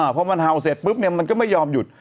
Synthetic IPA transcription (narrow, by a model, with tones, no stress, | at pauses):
pʰɔ˧ma˧nɦa˨˧˩wse˨˩t̪̚pɯ˦˥p̚ni˧˩əma˧nkɔ˥˩ma˥˩jːɔː˧mju˨˩t̪̚